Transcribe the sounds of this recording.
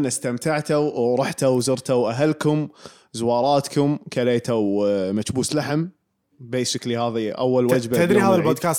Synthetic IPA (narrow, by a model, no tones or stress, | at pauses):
nːast̪amt̪aʕt̪awɾˤʊħt̪awzʊɾt̪awʔaɦalkʊm | zʊwɑːɾˤɑːt̪kʊmkaleːt̪awmat͡ʃbuːslaħɪm | beːsɪklihaːðiʔawːalwad͡ʒbat̪ad̪ɾihaːðalbod̪kaːs